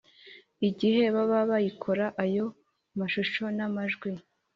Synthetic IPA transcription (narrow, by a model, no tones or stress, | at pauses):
iɟihe̞βaβaβajikʰo̞ɾaʔajo̞ | maʃuʃo̞namaʒɡwi